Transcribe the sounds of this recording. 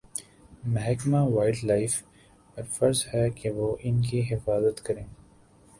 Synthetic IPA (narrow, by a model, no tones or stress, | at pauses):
mɛɦɛkmaʋaːɪɖlaːɪf | pɐɾfɐɾzɦɛkeʋoːʔɪnkiɦɪfaːzət̪kɐɾẽː